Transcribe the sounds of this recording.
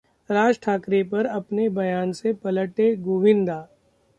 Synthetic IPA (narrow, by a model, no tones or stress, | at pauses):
ɾaːd͡ʒʈʰaːkɾepɐɾɐpnebɐjaːnsepɐləʈeɡoːʋɪ̃nd̪aː